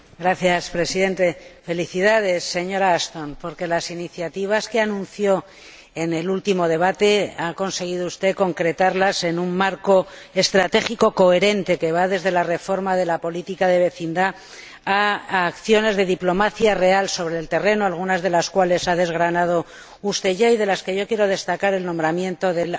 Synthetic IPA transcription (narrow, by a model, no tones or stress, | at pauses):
ɡɾaθjaspɾe̞siðe̞nt̪e̞fe̞liθiðað̞e̞sːe̞ɲo̞ɾaast̪o̞npo̞ɾke̞lasiniθjat̪iβ̞askeanũn̟θjo̞ | ene̞lult̪imo̞ð̞e̞β̞at̪e̞ako̞nse̞ɣ̞iðoust̪e̞ko̞ŋkɾe̞t̪aɾlase̞numːaɾko̞e̞st̪ɾat̪e̞xiko̞ko̞eɾe̞nt̪e̞ke̞βaðe̞zðe̞lare̞fo̞ɾmaðe̞lapo̞lit̪ikaðe̞βe̞θind̪aː | kθjo̞ne̞zðe̞ðiplo̞maθjare̞also̞β̞ɾe̞ːlt̪e̞re̞noalɣ̞unazð̞e̞laskwale̞saðe̞zɣɾanað̞o̞ | ust̪e̞ʝaiðe̞laske̞ʝo̞kje̞ɾo̞ð̞e̞st̪akaɾe̞lnombɾamjẽ̞nt̪o̞ðe̞l